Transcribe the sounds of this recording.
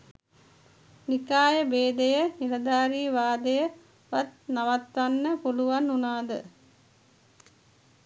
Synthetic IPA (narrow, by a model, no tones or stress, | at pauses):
nikaːjəbeːd̪ejənilɐd̪aːɾiːʋaːd̪əjə | ʋat̪̚naʋat̪ʋanːəpuluʋanːunaːd̪ə